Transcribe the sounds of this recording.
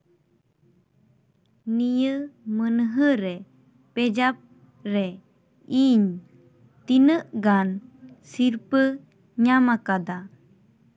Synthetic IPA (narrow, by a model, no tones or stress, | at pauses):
nijəmənəɦəɾɛ | pɛd͡ʒap̚ | ɾɛ | iɲ | t̪inəʔɡansiɾpə | ɲamakad̪a